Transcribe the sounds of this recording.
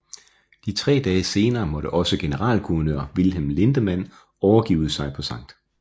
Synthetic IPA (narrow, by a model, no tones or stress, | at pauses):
d̥it͡sʰʁɛ̰ːd̥ɛːse̝ːnɐːmɒ̽ɾ̥əʔɒ̽səɡ̥e̝nəʁɑ̰̈ːlɡ̥uʋɐnø̰ɐ̰ʋilɦemle̝nd̥əmæn̰ | ɒʊɐɡ̥ḭːʊð̩ˠsɑ̈ɪpʰɒ̽sɑ̈ŋ̰d̥